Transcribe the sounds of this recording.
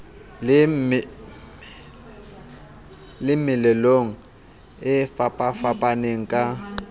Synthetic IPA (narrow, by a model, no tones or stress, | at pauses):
lɪm | lɪmɪlɛloŋ̩ | ɪfapʼafapʼaneŋ̩kʼa